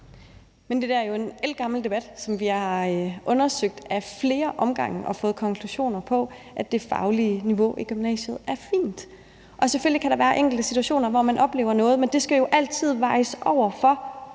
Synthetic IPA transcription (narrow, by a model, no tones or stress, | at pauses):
mend̥e̝d̥ææɐjoe̝nel̰ɡ̥ɑ̈ml̩d̥e̝b̥æd̥sɒ̽mʋihɑ̈ʔɔ̽nɐsøɡ̥̚d̥æfle̝ːɐʔɒ̽mɡ̥ɑ̈ŋ̰ʔɒ̽fɔ̽ːð̩ˠkʰɒ̽ŋkʰluɕo̝̰ːnɐpʰɒ̽ʔæd̥e̝fɑ̈ʊliniʋo̝ʔiɡ̥ymnɛ̰ːɕð̩ˠæɐfḭːnd̥ | ʔɒ̽seføl̰likʰæɾ̥ɑ̈ʋæːɐʔeŋ̰ɡ̥l̩d̥əsit͡sʰuæɕo̝̰ːnɐʋɒmænʔɒ̽b̥le̝̰ʊɐnɔ̽ːð̩ˠmend̥e̝sɡ̥æjo̝ʔæl̰t͡sʰið̞̰ˠʋɑ̈ɪəsʔɒʊ̰ɐfɒ̽